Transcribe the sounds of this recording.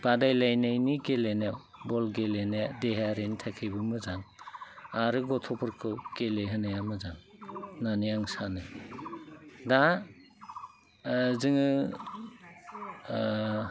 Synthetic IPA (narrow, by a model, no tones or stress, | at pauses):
b̥adajlajnajniɡelenaw | bɔlɡelenajadeɦaɾenitʰakʰɯjbɯmɯzaŋ | aɾɯɡɔtʰɔpʰɯɾkʰɯwkeleɦɯnajamɯzaŋnanijaŋsanɯ | da | zɯŋɯ